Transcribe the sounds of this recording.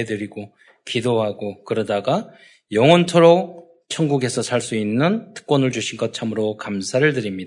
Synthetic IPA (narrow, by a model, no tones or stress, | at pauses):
edɯɾiɡo | kidoɦaɡokɯɾʌdaɡa | jʌŋʌntʰʌɾok | t͡ɕʰʌnɡuɡe̞sʰʌsʰaɭs͈uinːɯntɯ̥k̚p͈ʌnɯɭd͡ʑuɕʰinɡʌt̚t͡ɕʰamɯɾokamsʰaɾɯɭtɯɾimɲida